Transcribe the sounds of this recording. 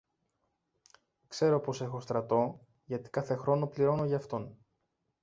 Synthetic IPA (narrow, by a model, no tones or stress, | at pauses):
kse̞ɾo̞po̞se̞xo̞st̪ɾɐt̪o̞ | ʝɐt̪i̥kɐθe̞xɾo̞no̞pliɾo̞no̞ʝɐɐft̪o̞n